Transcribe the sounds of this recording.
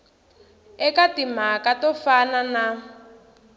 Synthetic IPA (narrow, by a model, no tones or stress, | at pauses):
ɛkatim̤akatɔfanana